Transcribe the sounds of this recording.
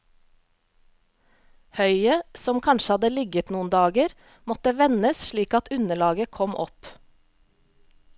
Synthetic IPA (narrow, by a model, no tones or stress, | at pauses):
hœʏəsɔmkʰɑnʃəhɑd̪əlɪɡət̪nuːnd̪ɑːɡəɾ | mɔt̪əʋɛnəsʃɭiːkɑt̪ʉnəɭɑːɡəkʰɔmʔɔ̰p